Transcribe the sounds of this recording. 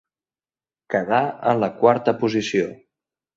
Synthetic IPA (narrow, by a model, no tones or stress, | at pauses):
kəðaənləkwaɾt̪əpuzisio